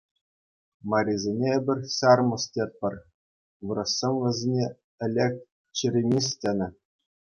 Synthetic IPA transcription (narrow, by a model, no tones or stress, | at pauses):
mɑɾʲizʲenʲeebʲɘ̆rʲsʲɑrmɤ̆stʲet̪̚pʲɘ̆rʲ | ʋɯɾɤ̆sːenʲʋʲɘ̆zʲenʲe | ɘ̆lʲek̚ʲ | t͡ɕirʲemʲis̬ʲtʲenʲɘ̆